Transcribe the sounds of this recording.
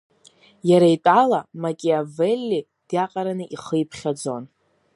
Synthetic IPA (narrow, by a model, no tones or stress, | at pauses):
jaɾaitʼalamakʲʼeavelʲːi | d̥jaqʼaɾanɨʔiχəjpʰχʲad͡zo̞n